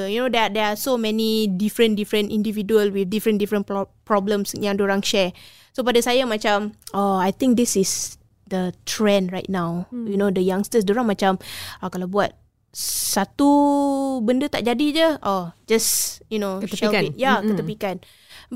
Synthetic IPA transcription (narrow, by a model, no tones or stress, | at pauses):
junodɛdɛasomɛ̃nidifɾə̃ndifɾə̃ntĩndividuəlwiθ̚difɾə̃ndifɾə̃npɹɔblə̃msjãŋdoɾaŋʃɛɹ | sop̬adasajamat͡ʃamaajt̪ɪ̃ŋk̚d̪isɪs | d̪ət̪ʰɹɛ̃nɹajt̚nawjunodəjãŋstəs̬doɾaŋmat͡ʃamakalawbuat̚ | sat̪u | bəndət̪a̰ʔ̚d͡ʒadid͡ʒəʔɔd͡ʒasjunokʃɛlit̚jakət̪əpikan